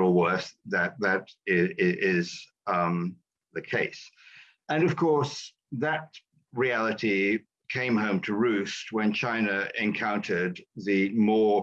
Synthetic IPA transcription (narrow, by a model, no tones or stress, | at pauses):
l̩ˠwɜ˞θðɨt̪̚ðɨɾɪɪɪz̥ | ðɨkʰeɪs | ɨ̃nʌv̥kʰɔɹs | ðɨt̚ | ɹiælˠəɾi | kʰẽɪ̃mɦõʊ̃mtʰɨɹʉst̚wə̃nt͡ʃʰãɪ̃nɨɨ̃nkʰãʊ̃ntʰə˞d̪̚ðɨmɔ